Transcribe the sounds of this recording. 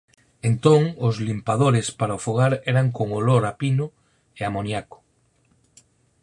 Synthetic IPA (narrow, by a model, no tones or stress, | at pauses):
ent̪oŋozlimpað̞oɾespaɾaofuɣ̞aɾeɾaŋkoŋoloɾapino | eamonjako̥